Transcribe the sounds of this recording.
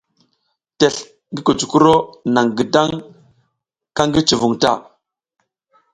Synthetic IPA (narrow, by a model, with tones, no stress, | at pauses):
te˨ɬ | ŋɡi˦ko˨t͡ʃu˨ku˦ɾo˦na˨ŋɡi˨da˦ŋ | ka˦ŋɡi˦t͡ʃi˨vu˨ŋta̰˦˨